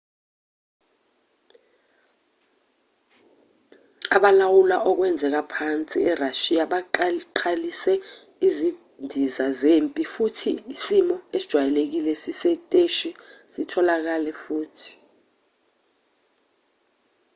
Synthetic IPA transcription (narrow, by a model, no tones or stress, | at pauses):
aɓalawulaʔɔk̬wɛnd͡zʱɛk̬apʰant͡sʼiɛraʃijaɓaǃǃʰalisɛ | izi | ndʱizazempʼifutʰiisimɔesid̥ʒ̥ʱwajɛlek̬ilɛsisɛtʼeʃisitʰɔlak̬alɛfuːtʰi̥